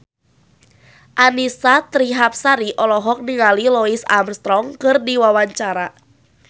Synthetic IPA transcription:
ʔanisat̪ɾiɦap̚saɾiʔɔlɔɦɔk̚niŋalilɔisa̰mst̪ɾɔŋkɨrdiwawaɲt͡ʃaɾa

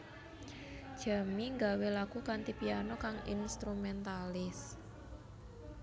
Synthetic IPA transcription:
d̥ʒ̥a̤miŋɡawelakukant̪ipianɔkaŋḭnst̪ɾumɛnt̪alɪs

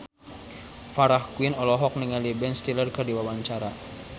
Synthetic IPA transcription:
faɾahkuɪnɔlɔɦɔk̚niŋalibɛnst̪ilərkardiwawaɲt͡ʃaɾa

